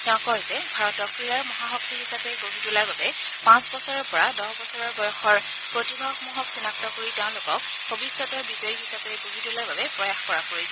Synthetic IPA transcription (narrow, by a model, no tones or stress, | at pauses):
tɛʊ̃kɔɦzɛbʱaɹɔtdɔkɹijaɹmɔɦaɦɔk̚tiɦisapɛɡobʱitulaɹbabɛ | pãsbɔsɔɹɔɹpɔɹadɔhbɔsɔɹɔɹɡɔjɔxɔɹ | pɹotibʱaxmuɦɔksinak̚tɔkoɹitɛʊ̃lokɔk̚ | bʱobisjɔtɔɹbizɔjiɦisapɛɡobʱitulaɹbabɛpɹɔjaxkɔɹapoɹisɔ